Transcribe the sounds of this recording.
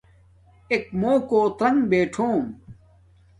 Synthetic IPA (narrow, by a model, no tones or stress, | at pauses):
ekmoːkoːt̪ɾɐŋɡbeːʈʰoːm